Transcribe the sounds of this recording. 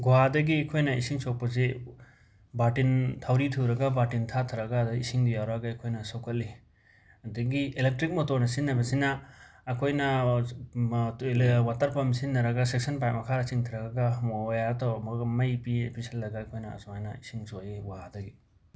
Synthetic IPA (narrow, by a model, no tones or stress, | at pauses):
ɡuɦadɐɡiɐkʰojnɐisiŋsok̚pɐz̬e | batintʰawɾitʰuɾɐɡabatintʰatʰɯɾɐɡadaisiŋdijawɾaɡaɐkʰojnɐsokʰɐlːi | ɐdiɡielek̚tɾik̚motoɾnɐsinːɐbɐsinaːkʰojnɐ | lwatɐɾpɐmisinːɐɾɐɡasek̚sɐnpajmɐkʰaɾɐsiŋtʰiɾɐɡaɡajatʰawɐmɐɡmɐjpiepʰisɐldɐɡaɐkʰojnɐɐ̰sɔŋajnɐisiŋsojeɡaadɐɡi